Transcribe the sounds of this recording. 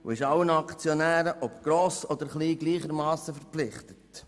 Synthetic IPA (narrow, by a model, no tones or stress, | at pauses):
ṵɪʃɑwənɑkt͡sjɔnæːɾəʔɔpɡ̥ɾoːsɔd̪əɾχliːɡliːχəɾmɑːsəfɛɾplɪχtət